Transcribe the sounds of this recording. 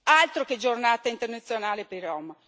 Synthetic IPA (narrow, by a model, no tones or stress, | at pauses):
alt̪ɾoked͡ʒornaːt̪aint̪ernat̪sːjonaːlepeirɔma